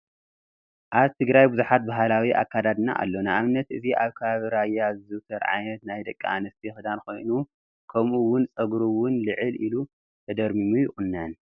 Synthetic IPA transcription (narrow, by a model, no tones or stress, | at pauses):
ʔaβt̪ʰɨɡɾajbuzuħat̪̚baɦalawiʔa̰kʰːad̪ad̪na̰ʔa̰lːo̞nɨaβɨnːɐt̪ɨziʔaβkʰɐβaβiɾajːazɨt̪ʰɐɾʕa̰jnɐt̪najd̪ɐkʼːianɨst̪ʰixɨd̪anko̞̰jnu | kʰɐmuwʊnt͡sʼɐɡɾuwʊnlɨʕɨlilu | t̪ʰɐd̪ɐɾmimujɪxʼɨnːɐn